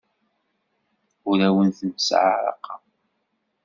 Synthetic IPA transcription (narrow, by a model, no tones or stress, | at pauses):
ʊɾæwənθəmsʕa̰ɾˤɑ̰qɑ